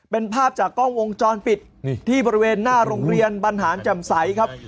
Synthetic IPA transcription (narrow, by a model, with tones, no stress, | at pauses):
pe˧npʰaː˥˩p̚t͡ɕaː˨˩kːɔ˥˩ŋwo˧ŋt͡ɕɔː˧npi˨˩t̪̚ʰːiː˥˩bɔː˧ɾi˦weː˧nːaː˥˩ɾoː˧ŋɾi˧ənpa˧nɦaː˩˦˥nt͡ɕɛ˨˩msa˩˦jkʰa˦˥p̚